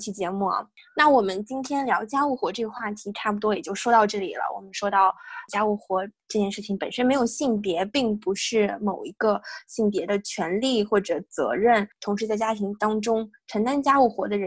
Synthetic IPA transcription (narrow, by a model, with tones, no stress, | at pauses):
t͡ɕʰi˧˩t͡ɕjɛ˧˥mu˥˩ɐ̰˩ | na˥˩wɔ˨˩mə˦nt͡ɕi˥nt̪ʰjɛ˥nljɑ˧˥ʊt͡ɕja˥u˥˩xwɔ˧˥ʈ͡ʂɤ˥˩ɡə˧xwa˥˩t̪ʰi˧˥ʈ͡ʂʰa˥˩p̬u˩t̪wɔ˥jɛ˨˩t͡ɕjo˥˩ʊʂwɔ˥t̪ɑ˥˧ʊʈ͡ʂɤ˥˩lḭ˨˩lə̰˦wɔ̰˨˩mə˦nʂwɔ˥t̪ɑ˥˩ʊt͡ɕja˥u˥˩xwɔ˧˥ʈ͡ʂɤ˥˧t͡ɕjɛ˥˧nʂɻ̩˥˩t͡ɕʰi˧˩ŋpə˨˩nʂə˥nme˧˥ɪjʊɕi˥˩ŋpjɛ˧˥pi˥˩ŋpu˧˥ʂɻ̩˥˩mo˨˩ʊi˧˥ɡə˧ɕi˥˩ŋpjɛ˧˥d̪ə˧t͡ɕʰɥɛ˧˥nli˥˩xwɔ˥˩ʈ͡ʂɤ˨˩t͡sɤ̰˧˥ɻə˥˩nt̪ʰʊ˧˥ŋʂɻ̩˧˥t͡sa˥˩ɪt͡ɕja˥t̪ʰi˧˥ŋt̪ɑ˥ŋʈ͡ʂʊ˥ŋʈ͡ʂʰə˧˥ŋt̪a˥nt͡ɕja˥u˥˩xwɔ˧˥d̪ə˧ɻə˧˥